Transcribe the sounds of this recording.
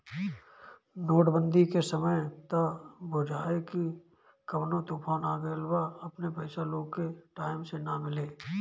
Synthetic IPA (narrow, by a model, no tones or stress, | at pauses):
noːʈbə̃nd̪ʱikesəməjt̪abʱoːd͡ʒaːeki | kɐbnõt̪uːpʰaːnaːɡəlbaɐpnepɛːsaloːɡkeʈaːɪmsenamɪleː